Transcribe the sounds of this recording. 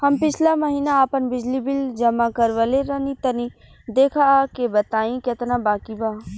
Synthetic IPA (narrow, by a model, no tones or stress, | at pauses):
hɐmpɪt͡ʃʰlaməɦiːnaːpənbɪd͡ʒlibɪld͡ʒɐmakəɾʋəleɾɐnĩt̪ɐnĩ | d̪eːkʰakebɐt̪aːĩket̪nãbaːkibaː